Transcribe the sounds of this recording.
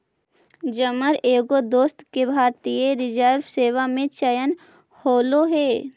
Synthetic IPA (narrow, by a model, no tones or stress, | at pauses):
d͡ʒəməɾeːɡod̪oːst̪kebʱaːɾt̪ijeɾɪd͡ʒəɾʋseːʋamẽt͡ʃɐjən | hoːloɦeː